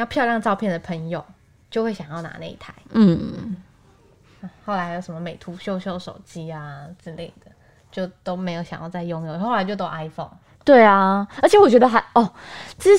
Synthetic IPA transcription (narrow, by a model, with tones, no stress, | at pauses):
jɑ˥˧pʰjɑ˥˧ʊljɑ˥˧ŋʈ͡ʂɑ˥˧ʊpʰjɛ˥˩nd̪ə˩pʰə˧˥ŋjo˨˩ʊ | t͡ɕjo˥˧ʊxwe˥˩ɪɕjɑ˨˩ŋjɑ˥˩na̰˧˥na̰˥˧ḭ˥˩t̪ʰa˧˦ɪn̩˥˩ | a˧˩xo˥˩ʊla˧˥ɪjo˨˧˥ʂə˧˩˦mə˧me˨˩ɪt̪ʰu˧˥ɕjo˥˧ʊɕjo˥˧˩ʊʂo̰˨˩ʊt͡ɕi˥a˨t͡sɻ̩˥˧le˥˩ɪd̪̥ə˩ | t͡ɕjo˥˩ʊt̪o˥ʊme˧˥ɪjo˨˧˩ʊɕɑ̰˨˩ŋjɑ˥˧ʊt͡sa˥˧ɪjo˥˧ŋjʊ˧o˥˩ʊla˧˥ɪt͡ɕo˥˧ʊt̪o˥ʊʔa˧˥ɪfo˥˩ʊŋ | t̪we˥˩ɪa˩ə˞˧˥t͡ɕʰjɛ˧˥wɔ˨˩t͡ɕɥɛ˧˥d̪ə˧xə˨˦nʔɔ˥˩ʈ͡ʂ̩˥